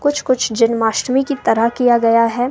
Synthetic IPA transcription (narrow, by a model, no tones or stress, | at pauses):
kʊt͡ʃʰkʊt͡ʃʰd͡ʒɪnmaːʃʈmikit̪ɐɾəɦkijaɡɐjaɦɛː